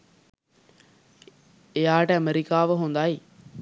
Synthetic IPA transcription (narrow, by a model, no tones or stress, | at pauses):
ejaːʈəɐmeɾikaːʋəɦond̪aːi